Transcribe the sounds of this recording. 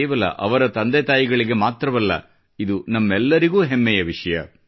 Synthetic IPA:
ʋɐlɐ̰ʔɐʋɐɾɐt̪ɐnd̪et̪aːjiɡɐɭiɡe̞maːt̪ɾɐʋɐlːɐ̰ | id̪unɐmːɛlːɐɾiɡuːɦemːɛjɐʋiʂɐjɐ

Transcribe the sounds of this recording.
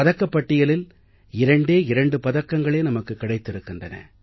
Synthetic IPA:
ɐðɐkːɐpːɐʈːɪjɐlɪl | ɪɾɐɳɖeːɪɾɐɳɖɯpɐðɐkːɐŋɡɐɭeːnɐmɐkːɯkːɪɽɐɪt̪ːɪɾɯkːɯndrɐnɐ̰

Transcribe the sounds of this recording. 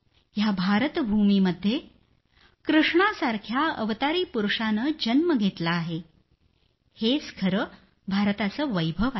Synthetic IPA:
jabʱaɾət̪bʱumiməd̪ʱːje | kɾuʂɳasaɾkʰjaə̰ʋt̪aɾiːpuɾuʂanəd͡ʑənməɡʱet̪laːɦe | het͡skʰəɾə | bʱaɾt̪at͡səːʋəjbʱəʋa

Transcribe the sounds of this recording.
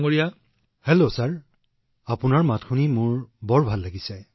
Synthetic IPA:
ŋoɹija | helosaɹ | apʊnaɹmatxʰunimʊɹbɔɹbʱalːaɡisɛ

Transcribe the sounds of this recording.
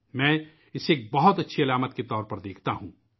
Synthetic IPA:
mɛ̃ː | ɪseːk̚bɐɦʊt̪ɐtːʃʰiɐlaːmət̪̚ket̪ɔːɾpɐɾd̪eːkʰt̪aɦũː

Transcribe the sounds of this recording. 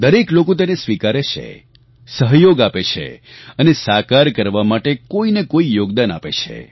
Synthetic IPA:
d̪əɾeklokot̪enesʋikaɾet͡ʃʰḛ | səɦjoɡapet͡ʃʰḛənesakaɾkəɾʋamaʈekoinekoijoɡd̪anapet͡ʃʰḛ

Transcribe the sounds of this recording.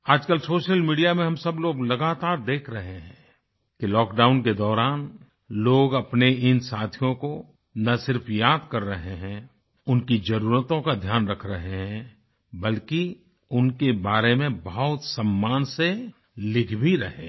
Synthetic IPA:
aːd͡ʒkəlsoːʃəlmiːɖijamẽɦɐmsɐbloːɡlɐɡaːt̪aːɾd̪eːkʰɾɐɦeɦɛ̃ː | kilɔːkɖaːʊnked̪ɔːɾaːn | loːɡɐpneɪnsaːt̪ʰijõko | nɐsɪɾpʰjaːd̪kɐɾːɐɦeɦɛ̃ | ʊnkid͡ʒɐɾuːɾət̪õkad̪ʱjaːnɾɐkʰɾəɦeɦɛ̃ | bəlki | ʊnkebaːɾemẽbɐɦʊt̪səmːaːnse | lɪkʰbʱiɾɐɦḛː

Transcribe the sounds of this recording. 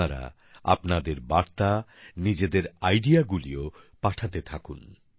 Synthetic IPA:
aɾa̰ | a̰pnad̪eɾbaɾt̪anid͡ʑed̪eɾajɖiaɡulio | paʈʰat̪et̪ʰakun

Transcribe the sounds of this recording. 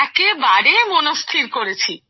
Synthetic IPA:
ɛkebaɾemonost̪ʰiɾkoɾet͡ɕʰi

